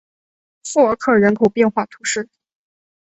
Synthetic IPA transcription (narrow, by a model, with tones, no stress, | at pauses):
fu˥˩ə˧˥kʰɤ˥˩ɻə˧˥nkʰo˨˩ʊpjɛ˥˧nxwa˥˩t̪ʰu˧˥ʂɻ̩˥˩